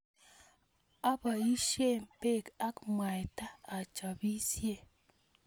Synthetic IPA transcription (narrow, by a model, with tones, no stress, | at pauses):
a˦ba˨i˦ʃe˦mpe˦˨ka˦kmwa˨jtaː˦˨t͡ʃa˨bi˦sje˦˨